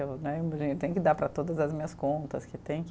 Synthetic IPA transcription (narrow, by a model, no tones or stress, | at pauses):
ewnɛmbod͡ʒĩʊt̪ẽj̃kɪd̪aɾpɾɐt̪od̪ɐzɐzmĩɲɐskõnt̪ɐskɪt̪ẽj̃k